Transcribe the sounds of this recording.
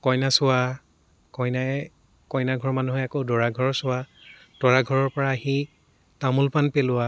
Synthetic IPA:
kɔjnasʊwa | kɔjnaɛ | kɔjnaɡʱɔɹmanuɦɛjakodɔɹaɡʱɔɹsʊwa | d̥ɔɹaɡʱɔɹɔɹpɔɹaːɦi | tamulpanpelʊwa

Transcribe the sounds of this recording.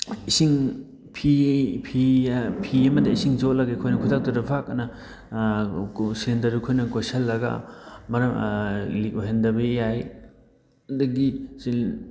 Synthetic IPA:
isiŋ | pʰipʰipʰiɐmɐdɐisiŋzot̚lɐɡɐikʰojnɐkʰutʰak̚tɐɾɐbʰʱak̚ɐnɐ | silendɐɾikʰojnɐkojsɐlːɐɡɐ̰mɐɾɐmlik̚oɦendɐbɐjaj | dɐɡisi

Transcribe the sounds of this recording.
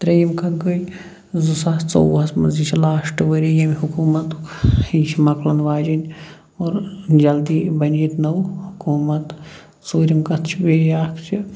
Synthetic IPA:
t̪ɾɐjimkʰɐɡɐj | zusaːst͡so̰wɐsmɐ̰zit͡ʃʰilaːʂʈʋɐɾijɐmɦukuːmɐt̪hit͡ʃʰimɐklɐnʋaːd͡ʒɐnʲ | oːɾd͡ʒɐld̪ibɐnit̪nɐwhukuːmɐt̪ | t͡soːɾʲimkɐt̪ʰt͡ʃʰibejaːkʰt͡ʃʰi

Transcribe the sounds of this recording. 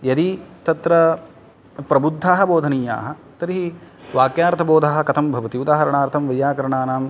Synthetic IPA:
jɐd̪it̪ɐt̪ɾɐ | pɾɐbud̪ʱːaːɦɐboːd̪ʱɐniːja̰ːɦɐ̆ | t̪ɐɾiɦi | ʋaːkjaːɾt̪ʰɐboːd̪ʱaːɦɐ̆kɐt̪ʰɐmbʱɐʋɐt̪iud̪aːɦɐɾɐɳaːɾt̪ʰɐmʋɐjːaːkɐɾɐɳaːnaːm

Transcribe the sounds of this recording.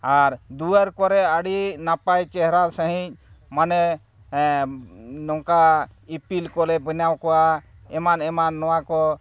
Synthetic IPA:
aɾd̪uəɾkɔɾɛəɽinapajt͡ʃɛɦɾaɾsə̃ɦĩc̚manɛ | nɔŋkaipilkɔlɛbənawkɔwa | ɛmanɛmanːɔwakɔ

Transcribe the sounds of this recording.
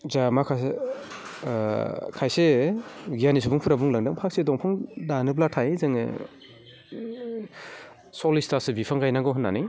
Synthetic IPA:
zamakʰa | kʰajseɡijanis̬ubuŋpʰuɾabuŋlaŋdaŋpʰak̚sedɔŋpʰɔŋdanɯblatʰajzɯŋɯ̰ | sɔlistasɯbipʰaŋɡajnaŋɡɔɦɯnːani

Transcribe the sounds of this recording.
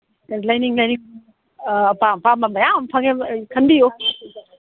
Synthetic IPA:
lɐjniŋlɐjniŋ | pampamamajammpʰaɡekʰɐnbijo

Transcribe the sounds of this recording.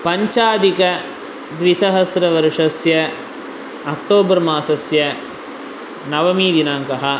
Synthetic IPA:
pɐɲt͡ʃaːd̪ikɐ | d̪ʋisɐɦɐsɾɐʋɐɾʂɐsjɐ | ɐk̚ʈoːbɐɾmaːsɐsjɐ | nɐʋɐmiːd̪inaːŋkɐɦɐ

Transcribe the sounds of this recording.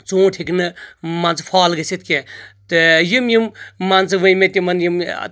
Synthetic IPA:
t͡sõːʈʰiknɨmant͡sɨ̥pʰaːlɡɐset̪̚ʰkʲẽt̪ɨjimjimmant͡sɨʋɨjmet̪ʲimɐnjim̰

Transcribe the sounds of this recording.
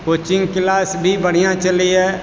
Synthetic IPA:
koːt͡ʃɪ̃ŋɡklaːsbʱibəɽ̤ijãt͡ʃəliɦɛː

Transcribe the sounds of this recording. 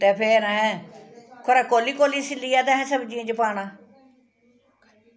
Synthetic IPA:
t̪eːpʰeɾəɦɛ̃ | kʰoɾaːkoːliːkoːliːsɪlːiːaːd̪ãːɦɛ̃ːsəbd͡ʒiẽːd͡ʒəpaːnãː

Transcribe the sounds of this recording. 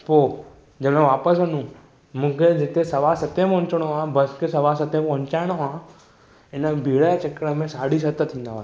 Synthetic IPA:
poː | d͡ʑɐmẽʋaːpəs̬ɐnũ | mũːkʰed͡ʑɪt̪esɐʋasɐt̪epɔ̃ɦʊ̃ɲt͡ɕəɽ̃oaːbɐskʰesɐʋaːsɐt̪ẽpɐ̃ɦʊ̃ɲt͡ɕaːɪɽ̃oaː | ɪnəbʱiːɽat͡ɕɐkːəɽəmẽsaːɽis̬ɐt̪ət̪ʰːĩːn̆d̪aʋaː

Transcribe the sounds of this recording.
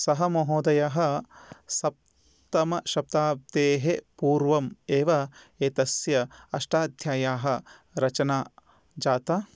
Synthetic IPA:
sɐɦɐmoɦoːd̪ɐjaɦɐsɐp̚ | t̪ɐmɐʃɐp̚t̪aːp̚t̪eːɦepuːɾʋɐmeːʋɐ | eːt̪ɐsjɐɐʃʈaːd̪ʱjaːjaːɦɐ̆ | ɾɐt͡ʃɐnaː | d͡ʒaːt̪ɐ

